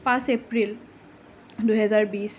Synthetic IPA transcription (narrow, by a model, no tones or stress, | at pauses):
pãsepɹil | duɦɛzaɹbis